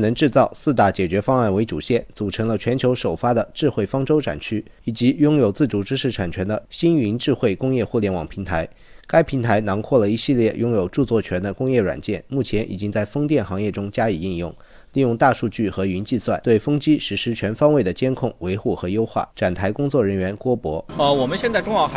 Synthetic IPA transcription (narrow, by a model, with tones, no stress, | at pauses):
nɤ˧˥ŋʈ͡ʂɻ̩˥˧t͡sɑ˥˧ʊsɹ̩˥˧t̪a˥˩t͡ɕjɛ˨˩t͡ɕɥɛ˧˥fɑ˥ŋa˥˩nwe˧˥ɪʈ͡ʂṵ˨˩ɕjɛ˥˩nt͡su˨˩ʈ͡ʂʰɤ˧˥ŋlə˧t͡ɕʰɥɛ˧˥nt͡ɕʰjo˧˥ʊʂo˨˩ʊfa˥d̪ə˨ʈ͡ʂɻ̩˥˧xwe˥˩ɪfɑ˥ŋʈ͡ʂo˥ʊʈ͡ʂʰa̰˨˩nt͡ɕʰy˥ | i˨˩t͡ɕi˧˥jʊ˥ŋjo˨˩ʊt͡sɹ̩˥˩ʈ͡ʂu˧˥ʈ͡ʂɻ̩˥ʂɻ̩˥˩ʈ͡ʂʰa˨˩nt͡ɕʰɥɛ˧˥nd̪ə˧ɕi˥ny˧˥nʈ͡ʂɻ̩˥˧xwe˥˩ɪkʊ˥ŋjɛ˥˧xu˥˩ljɛ˧˥nwɑ̰˨˩ŋpʰi˧˥ŋt̪ʰa˧˥ɪ | ka˥ɪpʰi˧˥nt̪ʰa˧˥ɪnɑ˧˥ŋkʰwɔ˥˩lə˩i˧˥ɕi˥˧ljɛ˥˩jʊ˥ŋjo˨˩ʊʈ͡ʂu˥˧t͡swɔ˥˩t͡ɕʰɥɛ˧˥nd̪ə˧kʊ˥ŋjɛ˥˩ɻwa̰˨˩nt͡ɕjɛ˥˩nmu˥˩t͡ɕʰjɛ˧˥nʔḭ˨˩t͡ɕi˥ŋt͡sa˥˩ɪfɤ˥ŋt̪jɛ˥˩nxɑ˧˥ŋjɛ˥˩ʈ͡ʂʊ˥ŋt͡ɕja˥i˨˩i˥˧njʊ̰˥˩ŋ | li˥˧jʊ˥˧ŋt̪a˥˧ʂu˥˧t͡ɕy˥˩xɤ˧˥y˧˥nt͡ɕi˥˧swa˥˩nt̪we˥˩ɪfɤ˥ŋt͡ɕi˥ʂɻ̩˧˥ʂɻ̩˧˥t͡ɕʰɥɛ˧˥nfɑ˥ŋwe˥˩ɪd̪ə˩t͡ɕjɛ˥nkʰʊ˥˩ŋwe˧˥ɪxu˥˩xɤ˧˥jo˥ʊxwa̰˥˩ʈ͡ʂa˨˩nt̪ʰa˧˥ɪkʊ˥ŋt͡swɔ˥˩ɻə˧˥nɥɛ˧˥nkwɔ˥pwɔ˧˥ə˧wɔ˨˩mə˦nɕjɛ˥˧nt͡sa˥˧ʈ͡ʂʊ˥ŋjɑ˥˩ʊx